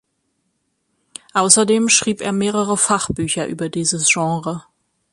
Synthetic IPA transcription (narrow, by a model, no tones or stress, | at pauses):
ʔaʊsɐdeːmʃʁ̥iːpʔḛːɐmeːʁəʁəfaχb̥yːçɐʔyːbɐdiːzəsʒ̥ɑ̃ːʁə